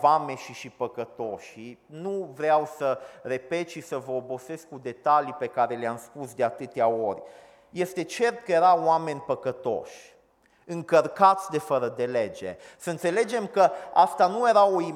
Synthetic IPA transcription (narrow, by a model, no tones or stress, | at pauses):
vame̞ʃiʃipəkət̪o̞ʃinuvɾeawsəre̞pe̞t̪ʃisəvəobo̞se̞skːud̪e̞t̪alipe̞kaɾe̞leamspusd̪e̞at̪ɨt̪eao̞rʲ | je̞st̪e̞t͡ʃe̞rt̪̚kəje̞ɾaoame̞nʲpəkət̪o̞̰ʃʲ | ɨŋkərkat̪sʲd̪e̞fəɾəd̪e̞le̞d͡ʒḛ | səɨnt̪se̞le̞d͡ʒe̞mkəa̰st̪anuje̞ɾawoi